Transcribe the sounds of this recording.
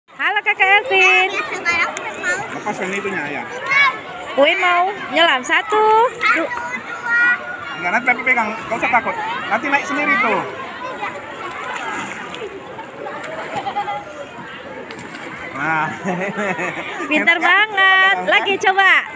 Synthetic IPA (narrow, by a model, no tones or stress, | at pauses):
halokakaɛlfin | lafasɛnit̪uɲaja̰ | uimau | ɲəlamsat̪udu | ŋɡanant̪iapepekaŋkausat̪akʊt̪̚nant̪inaɪk̚səndiɾit̪u | na | bit̪ərbaŋət̪̚laɡit͡ʃoba